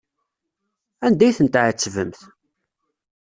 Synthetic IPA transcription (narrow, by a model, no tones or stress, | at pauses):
ænd̪æjθənt̪ʕət͡sːvə̰mθ